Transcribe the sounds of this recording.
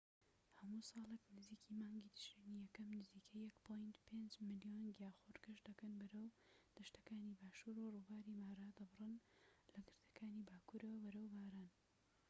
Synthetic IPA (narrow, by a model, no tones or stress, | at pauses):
hɐmusɑːlˠəknɨziːkʰiːmaːŋɡid̪ɨʃinijɛkɐmnɨziːkʰɐjːɐkpʰojnt̪pʰeːnd͡ʒmɨlijoːnɡjaːxoɾɡɐʃd̪ɐkɐnbɐɾɐwd̪̥ɐʃt̪ɐkaːnibaːʃuːɾuruːbaːɾimaːɾad̪ɐbɨrɨnlɐɡɨɾd̪ɐ̥kʰaːniːbaːkuɾɐwɐbɐɾɐwbaːɾaːn